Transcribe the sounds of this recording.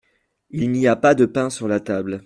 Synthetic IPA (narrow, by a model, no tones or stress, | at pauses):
ilniapad̪əpɛ̃syʁlat̪abl